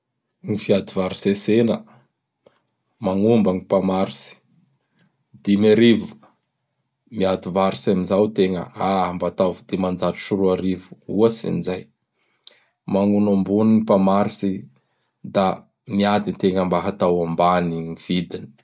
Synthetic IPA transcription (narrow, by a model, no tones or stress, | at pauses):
ŋifiad̪ivaɾisesenə | maŋumbaŋipamaɾisi̥ | d̪imeɾivu̥ | miat̪ivaɾisamizawt̪eŋə̰ambat̪avud̪emand͡zaʈ͡ʂu̥ʃuɾuaɾivu̥uasḭnizaj | maŋunambuniŋipamaɾisi | d̪a | miad̪int̪eŋəmbaɦat̪awambaniŋiv̥id̪ini̥